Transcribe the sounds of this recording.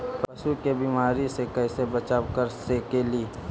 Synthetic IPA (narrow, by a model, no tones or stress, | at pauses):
pɐʃukebimaːɾisekɛɪsebɐt͡ʃaːwkəɾsekeliː